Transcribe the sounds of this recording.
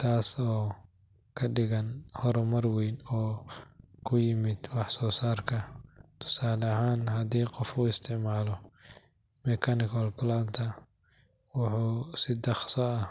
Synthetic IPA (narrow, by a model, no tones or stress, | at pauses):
t̪ʰaːsɔː | kʰɐɖɪɣɐnhɔɾɔmɐrwɛjnɔː | kʰʊjɪmɪd̪̥wɑħsɔːsaːrkʰɐt̪ʰʊ̥saːlɐɦaːnɦɐd̪iːqɔfuːɪst̪ʰɪʕmaːlɔ | mɛkʰɐnɪkʰɔlplant̪ʰɐ | wʊħuːsɪd̪ɑχsɔɐ